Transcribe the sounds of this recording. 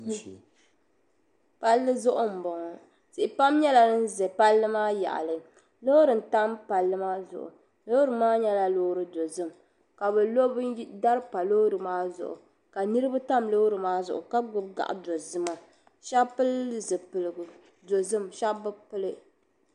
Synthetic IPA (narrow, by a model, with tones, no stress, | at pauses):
pa˦lːɨ˦zʊ˦ʔʊ˦m̩˨bɔ˨ŋɔ˨ | sɪ˨ʔɪ˨pa˦mɲɛ˦la˨nɨ˦n̩˦zɛ˨pa˦lːɨ˦maː˦ja̰˨ʔa̰˨lɨ˨ | lo˦ɾɨ˨n̩˨ta˦mpa˨lːɨ˦maː˦zʊ̰˨ʔʊ̰˨ | lo˦ɾɨ˨maː˦ɲɛ˦la˦lo˦ɾɨ˨do˨zɨ˦m | ka˨bɛ˨lo˦bda˦ɾɨ˦pa˨lo˦ɾɨ˨maː˦zʊ̰˨ʔʊ̰˨ | ka˨nɨ˦ɾɨ˦ba˦ta˦mlo˦ɾɨ˨maː˦zʊ̰˨ʔʊ̰˨ka˦ɡʊ˦b̚ɡa̰˨ʔa̰˨do˨zɨ˦ma˨ | ʃa˦pɨ˦lɨ˨zɨ˨pɨ˨lɨ˨ɡu˨ | do˨zɨ˦mʃa˦bɨ˦pɨ˦lɨ˦